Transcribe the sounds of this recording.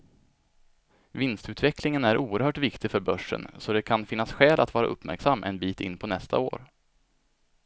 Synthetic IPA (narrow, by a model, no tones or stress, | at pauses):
vɪnst̪ʉ̟ːt̪vɛklɪŋənæɾʔuːəɾhœːʈvɪkt̪ɪɡfœɾbœʂːə̰nsɔd̪ɛkʰanfɪnːasɧɛːlʔat̪vɑːɾa̰ʔɵ̰pːmæ̰ɾksamːʔɛ̰nbiːt̪ɪ̰nːpʰɔnɛst̪ʰa̰o̰ːɾ